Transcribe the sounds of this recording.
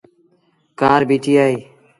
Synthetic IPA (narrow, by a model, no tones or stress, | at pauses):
kaːɾbiːʈʰiːaːɦiː